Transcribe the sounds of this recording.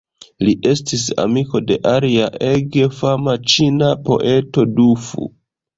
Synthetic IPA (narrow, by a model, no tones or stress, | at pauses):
liʔe̞stis̬a̰miko̞de̞ʔaɾiaʔeɡefamat͡ʃinapo̞̰ʔe̞to̞dufṵ